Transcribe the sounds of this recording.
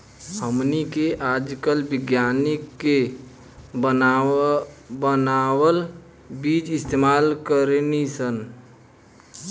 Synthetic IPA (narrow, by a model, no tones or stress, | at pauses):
həmnikeʔaːd͡ʒkəlbɪɡjaːnɪkːe | bə | bənaːwəl | biːd͡ʒɪst̪eːmaːlkəɾnisən